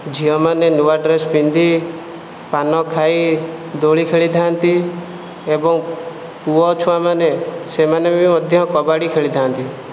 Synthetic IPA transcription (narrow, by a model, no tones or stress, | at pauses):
d͡ʒʱiɔmanenuaɖɾespind̪ʱi | panɔkʰaid̪oɭikʰeɭid̪ʱant̪i | ebɔŋ | puɔt͡ʃʰuamanesemanebimɔd̪ʱjɔkɔbaɽikʰeɭid̪ʱant̪i